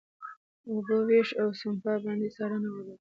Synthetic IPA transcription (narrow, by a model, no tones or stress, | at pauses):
ubəweʃawsʊmpabɑnd̪esɑɾanawawa